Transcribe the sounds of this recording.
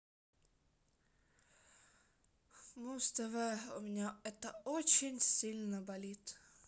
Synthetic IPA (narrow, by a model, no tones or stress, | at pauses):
must̪ɐʋɛʊmʲɪnʲaɛt̪ɐɔt͡ɕɪnʲsʲilʲnɐbɐlʲit̪